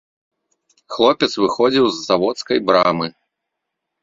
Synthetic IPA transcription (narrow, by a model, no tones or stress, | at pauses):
xlˠɔpʲɛt̪svɨxɔd͡zʲiwzːavɔt̪skɐjbɾamɨ